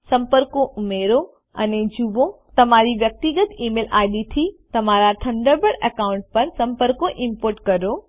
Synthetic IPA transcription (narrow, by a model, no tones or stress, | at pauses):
sɐ̃mpəɾkoʔʊmeːɾo | ɐned͡ʑubõt̪ɐm̤aːɾiʋjɐk̚t̪iɡət̪iːmeːlʔaːɗit̪ʰit̪ɐm̤aːɾaʈʰɐ̃ɳɖəɾbəɽɐkaːʊ̃ɳʈ̚pɐɾsɐ̃mpəɾkoʔɪmpoːɾʈkɐɾoː